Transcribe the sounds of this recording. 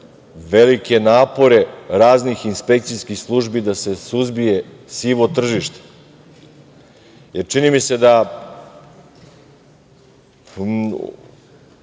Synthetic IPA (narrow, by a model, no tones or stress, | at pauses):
ʋe̞like̞naːpo̞ɾe̞ɾaːznixinspe̞k̚t̪sijskixslˠuʒbid̪ase̞suzbije̞ | siːʋot̪r̩ʒiʃt̪e̥ | jeɾt͡ʃinimise̞d̪a